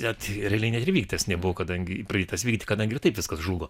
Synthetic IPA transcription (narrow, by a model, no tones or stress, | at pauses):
ɛt̪ɾʲɛlʲɛɪnʲɛt̪ɪɾʋʲiːkt̪ʲɐsnʲɛbʊʋoːkɐd̪ɐŋʲɡʲɪprɐdʲeːt̪ɐsʋʲiːktʲɪkɐd̪ɐŋɡʲɪrt̪ɐɪpʋʲɪskɐsʒuːɡoː